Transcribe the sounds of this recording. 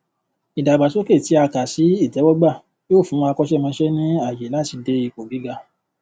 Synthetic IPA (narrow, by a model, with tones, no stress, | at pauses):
i˨da˨ɡ͡ba˨so˨˦ke˦˨ti˨˦a˧ka˨si˨˦i˦˨d͡ʒɛ˨˦wɔ˦ɡ͡ba˦˨ | joː˦˨fũ˨˦˧a˧kɔ˦ʃɛ˦˨mã˧ʃɛ˦nĩ˦a˦˨jɛ˨˦la˦ti˧de˧i˨ko˨ɡi˨˦ɡa˧˨